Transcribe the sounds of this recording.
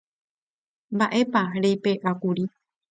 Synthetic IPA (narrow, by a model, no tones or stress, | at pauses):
mbaʔe̞paɾejpe̞ʔakuɾi